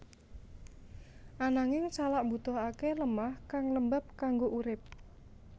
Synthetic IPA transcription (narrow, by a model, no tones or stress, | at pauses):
ʔanaŋɪŋt͡ʃalaʔmbut̪ɔɦakeləmahkaŋləmbap̚kaŋɡoʔuɾɪp̚